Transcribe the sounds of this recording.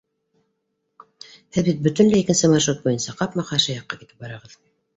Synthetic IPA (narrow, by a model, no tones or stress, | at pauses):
hɘðbit̪̚bɵ̆t̪ɘnlɘikɘ̆nsɘmɑʃrut̪̚bujɤ̆nsɑqɑpmɑqɑʃɤjɑqːɑkit̪ɘ̥p̚bɑɾɑʁɤð